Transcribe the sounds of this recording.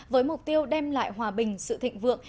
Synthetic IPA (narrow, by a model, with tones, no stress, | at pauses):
vəː˨˦jmʊ˨˩k͡p̚t̪i˧əwɗɛ˧mla̰ː˧˨jɦwaː˨˩ɓï˨˩ŋ̟sɨ̰˧˨t̪ʰḭ˧˨ŋ̟vɨ̰˧˨əŋ